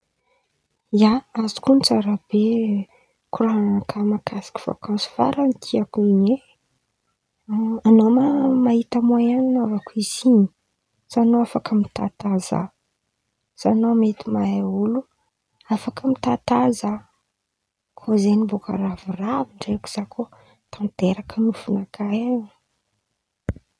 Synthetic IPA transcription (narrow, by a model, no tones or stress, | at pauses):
jaazi̥kunt͡saɾab̥e | kuɾananakʰamakʰasi̥ki̥fa̰kasi̥va̰ɾanit̪ʰiakuine | anomamaɦit̪amaananavakuiziɲi̥ | sanoafakəmit̪at̪aza̰ | z̥anomet̪imaaulu | afakəmit̪at̪aza | kʰozeniboka̰raviraviɳɖ͡ʐeku̥z̥akʰo | t̪ʰant̪eɾakənufunakʰajḁ